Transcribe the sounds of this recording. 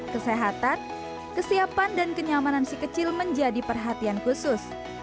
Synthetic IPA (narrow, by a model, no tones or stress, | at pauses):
kəseɦat̪an | kəsiapandankəɲamanansikət͡ʃɪlməɲd͡ʒadipərɦat̪iankusʊs